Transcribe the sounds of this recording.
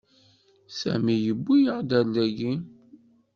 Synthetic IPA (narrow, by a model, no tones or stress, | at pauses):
sæ̰mijəbːijəʁd̪ælːæɡi